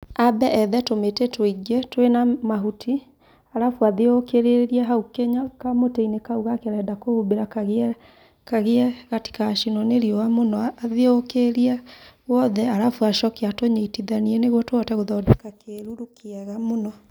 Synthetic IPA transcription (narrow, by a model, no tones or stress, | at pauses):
abɛʔɛðɛtometetoiɡetwenamaɦutʰi | aɾafwaðeokeɾeɾiaɦaukeɲakamoteinekauɣakeɾɛdakoubeɾakɣ | kaɣeɛɣati̥kaʃinɔneɾiɔwamonɔaaðeookeɾiawɔðɛaɾafwaʃɔkeatoɲeitiðaniɛneɣwɔtwɔtɛɣoðɔdekakeɾuɾukʰeɛɣamonɔ